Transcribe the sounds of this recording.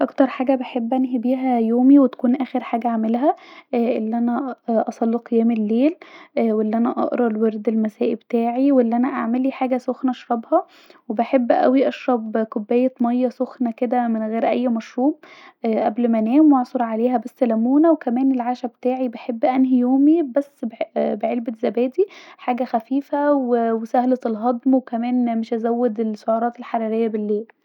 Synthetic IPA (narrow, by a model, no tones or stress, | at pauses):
ʔɑkt̪ɑɾˤħaːɡæbeħebːʔænɦibiːɦæjoːmiwet̪æ̥kuːnʔæːxeɾħaːɡæʕamelɦæʔelːiʔænæʔɑsˤɑlːeqejæːmelːeːlwelːiʔænæʔɑ̰ʔɾˤɑlweɾd̪elmæsæːʔibet̪aːʕiwelːʔænæʔa̰ʕmeliːħaːɡæsoxnæʔɑʃɾˤɑbhɑ | webeħebːʔæ̰wiʔɑʃɾˤɑbkobːejːæmɑjːɑsoxnæked̪æmenɣeːɾʔæ̰jːmɑʃɾuːbʔʔæblmænæːmwɑʕsˤoɾˤʕaleːɦæbæsːælæmuːnæwekæmæːnelʕaːʃæbet̪aːʕibeħebːʔænɦijoːmibæsːbbeʕelbezæbæːd̪iħaːɡæxæfiːfæwewesæhlet̪elɦɑd̪ˤmwekæmæːnmeʃʔæzæwːed̪elʃoʕɑːɾˤɑːt̪elħaɾˤɑɾejːæbelːeːl